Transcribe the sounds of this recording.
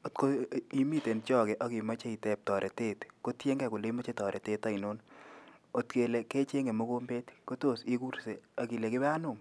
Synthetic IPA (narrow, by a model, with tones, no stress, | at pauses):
o˨tko˦i˦mi˦te˨nt͡ʃɔ˦kɛ˨ʔɐ˨ki˨ma˦t͡ʃe˦i˨tɛ˨p̚tɔ˨ɾʔe˨te˦tko˦tje˦ŋɡɛ˦˨ko˨le˦mo˦t͡ʃe˦tɔ˨ɾʔe˨te˦ta˦i˨no˦n | o˨tke˨le˨ke˦t͡ʃe˦ŋɡe˨mo˦ko˦mbe˦tko˦to˦˨si˦ku˦ɾse˨ɑ˨ki˨le˨kɪ˦ba˦nʊ˨m